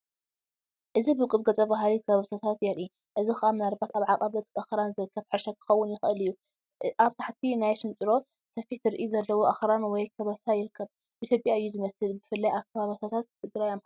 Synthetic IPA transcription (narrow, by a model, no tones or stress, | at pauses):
ʔɨzibɨkʼɨβɡɐt͡sʼɐbaɦalikʰɐββasat̪ʰat̪jɛli | ʔɨzixʔamnalbat̪aβʕaqʼɐβɐt̪ʰʔaxɾanzɨɾɨkʰːɐβħɨʃɐkʰɨ̥xɐwːʊnjɪxʔɨlɨjːu | ʔaβt̪ʰaħt̪ʰinajʃɨnt͡ʃʼɨɾo̞ | sɐfiħt̪ʰɨɾɨʔizɐlːɐwoʔaxɾanwɔjkʰɐβɐsajɪɾɨkʰːɐβ | ʔit̪ʰjopʼjaɨjːuzɨmɐsɨlbɨfɨlːajakʰːɐβaβɐsat̪ʰat̪̚ːɨɡɾajam